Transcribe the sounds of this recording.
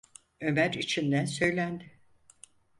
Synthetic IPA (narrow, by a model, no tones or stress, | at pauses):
ø̞mæɾit͡ʃʰind̪ænsø̞jlʲænd̪ɪ